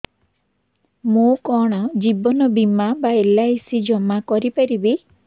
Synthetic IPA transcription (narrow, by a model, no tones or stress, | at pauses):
mukɔɽ̃ɔd͡ʒibɔnɔbimabaelaisid͡ʒɔmakɔɾipaɾibi